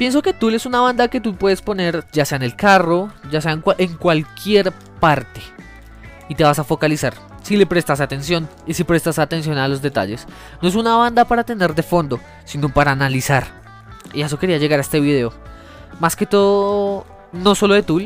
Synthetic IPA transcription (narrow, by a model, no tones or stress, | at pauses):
pje̞ns̬o̞ke̞t̪ule̞sunaβ̞and̪ake̞t̪̬upweðespo̞ne̞ɾd͡ʒase̞aene̞lkaro̞d͡ʒase̞aeŋwaʔeŋkwalkje̞ɾ | paɾt̪e̥ | it̪e̞βasafo̞kalisaɾ | sile̞pɾe̞st̪asat̪e̞nsjo̞nisipɾe̞st̪asat̪ens̬jo̞nalo̞zd̪e̞t̪a̰ʝe̞s | no̞e̞sunaβand̪apaɾat̪e̞ne̞ɾd̪e̞fo̞nd̪o̞ | sino̞paɾaːnalisaɾ | iesoke̞ɾiaʝe̞ɣaɾaest̪e̞βiðe̞o | maske̞t̪o̞ðoo | no̞so̞lo̞ðet̪ul